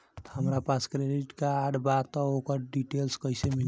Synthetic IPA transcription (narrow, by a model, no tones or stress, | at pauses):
həmɾapaskɾeɖiʈkeaɖbat̪ɔokəɾɖiʈelskəjsemin